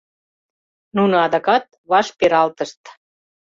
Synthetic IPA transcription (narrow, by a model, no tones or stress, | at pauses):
nunoɑðɑkɑt̪̚βɑʃpeɾɑlt̪əʃt̪